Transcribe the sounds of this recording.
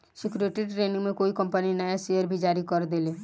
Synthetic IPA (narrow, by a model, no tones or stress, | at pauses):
sɪkɾueːʈeɖʈɾeːnɪ̃ŋmẽkoːikə̃mpəninəjasejəɾbʱid͡ʒaːɾikəɾd̪eːleː